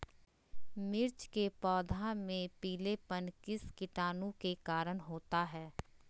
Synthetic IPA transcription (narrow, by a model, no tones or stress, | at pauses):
mɪɾt͡ʃkepɔːd̪ʱãmẽpiːlepənkɪskɪʈaːnũkekaːɾənɦoːt̪aɦɛː